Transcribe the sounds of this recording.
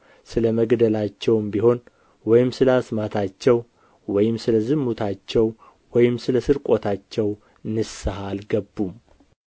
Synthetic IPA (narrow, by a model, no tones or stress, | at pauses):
sɨləməɡd̪əlat͡ʃːɛwmbiɦo̞n | wɔjɪmsɨləasmat̪ʰat͡ʃːɛw | wɔjɪmsɨləzɨmːut̪ʰat͡ʃːɛw | wɔjɪmsɨləsɨɾkʼo̞t̪ʰat͡ʃːɛw | nɨsaɦalɡəbːum